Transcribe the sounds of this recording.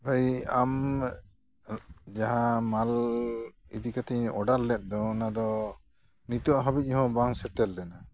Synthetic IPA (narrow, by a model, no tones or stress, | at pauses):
bajam | d͡ʒaɦãmal | ḭd̪ikat̪iɔɖalːɛt̪̚ˀd̪ɔnad̪ɔ | nit̪uaɦɔbic̚ɦɔ̃baŋsɛʈɛldɛna